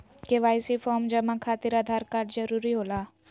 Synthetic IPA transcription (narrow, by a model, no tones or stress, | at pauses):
keʋaːjsifʰɔːɾmd͡ʒɐmakʰaːt̪iɾad̪ʱaːɾkaːɾɖd͡ʒɐɾuːɾiɦoːlaː